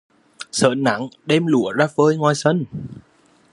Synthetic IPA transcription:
sə̰ː˧˨˩nnːa˨˦ŋɗɛ˧mlu˧˩əzaː˧vəː˧jŋwaː˧˩jsə˧n

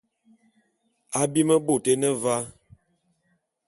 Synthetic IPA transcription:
a˨bi˦mə˦bo˦˨te˦nə˦va˦

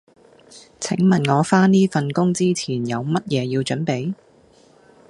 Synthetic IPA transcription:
t͡sʰɪ̰˨˥ŋmɐ˨nŋɔː˨˧faː˥niː˥fɐ˨nkʊ˥ŋt͡siː˥t͡sʰiː˨˩njɐ˨˧wmɐ˥t̚jɛː˨˧jiː˧wt͡ʃɵ˨˥npe˨˥j

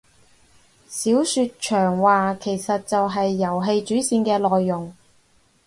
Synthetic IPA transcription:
siː˨˥wsyː˧t̚t͡ʃʰœː˨˩ŋwaː˨kʰe˨˩jsɐ˨t̚t͡sɐ˨wɦɐ˨jːɐ˨˩wɦe˧jt͡ʃyː˨˥siː˧nkɛː˧lɔː˨jːʊ˨˩ŋ

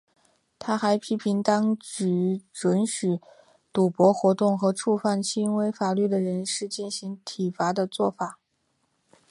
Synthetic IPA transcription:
t̪ʰa˥xa˧˥ɪpʰi˥pʰi˧˥ŋt̪ɑ˥ŋt͡ɕy˧˥ʈ͡ʂwə˧˥nɕy˨˩ | t̪u˨˩pwɔ˧˥xwɔ˧˥t̪ʊ˥˩ŋxɤ˧˥ʈ͡ʂʰu˥˧fa˥˩nt͡ɕʰi˥nwe˧˥ɪfa˨˩ly˥˩d̪ə˩ɻə˧˥nʂɻ̩˥˧t͡ɕi˥˩nɕi˧˥ŋt̪ʰi˨˩fa˧˥d̪ə˧t͡swɔ˥˩fa˨˩˦

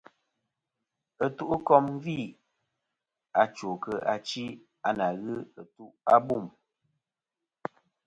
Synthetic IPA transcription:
ə˨tu˦ʔu˦kɔ˦m˦vi˦˨ | a˨t͡ʃo˨kə˨ʔa˨t͡ʃi˦ | a˨na˨ɣɨ˦ə˨tu˦ʔa˦bu˦˨m

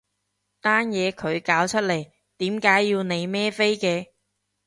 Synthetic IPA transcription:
t̪aː˥njɛː˨˧kʰɵ˨˧ɥkaː˨˥wt͡ʃʰɵ˥t̚le˨˩j | t̪iː˨˥mkaː˨˥jːiː˧wne˨˧jmɛː˥fe˥jkɛː˧

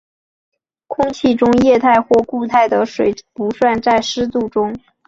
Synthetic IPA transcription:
kʰʊ˥ŋt͡ɕʰi˥˩ʈ͡ʂʊ˥ŋjɛ˥˧t̪ʰa˥˧ɪxwɔ˥˧ku˥˧t̪ʰa˥˩ɪd̪ə˩ʂwe˨˩ɪpu˧˥swa˥˧nt͡sa˥˩ɪʂɻ̩˥t̪u˥˩ʈ͡ʂʊ˥ŋ

